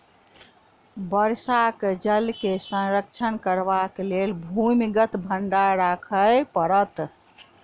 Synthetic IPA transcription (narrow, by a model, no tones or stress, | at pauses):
bəɾsaked͡ʒəlkesə̃nɾək̚t͡ʃʰənkəɾbakelelbʱumiɡət̪bʱəɳɖaɾakʰəjpəɾət̪